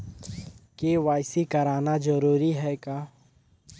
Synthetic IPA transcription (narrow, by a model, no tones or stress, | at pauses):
keʋaːɪsikɐɾaːnad͡ʒɐɾuːɾiɦɛkaː